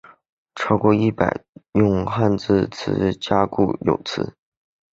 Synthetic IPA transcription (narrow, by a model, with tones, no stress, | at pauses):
ʈ͡ʂʰɑ˥ʊkwɔ˥˧i˥˩pa̰˨˩ɪjʊ˥˧ŋxa˥˧nt͡sɹ̩˥˧t͡sʰɹ̩˧˥˧t͡ɕja˥kṵ˥˩jo̰˨˩ʊt͡sʰɹ̩̰˧˥